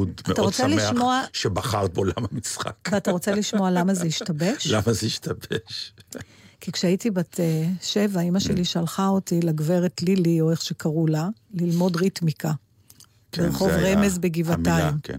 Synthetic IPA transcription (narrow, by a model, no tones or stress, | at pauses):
d̪ataʁot͡seliʃmoaʃebaχaʁt̚beola̰mamisχa̰kveataʁot͡seliʃmo̞alamazeiʃtabe̞ʃlamazeiʃtabeʃ | kikʃeaitibateʃevaimaʃeliʃalχaotilaɡve̞ʁetlilioeχʃekaʁulalilmo̞dʁitmika | leʁχo̞vʁemezbeɡivatajim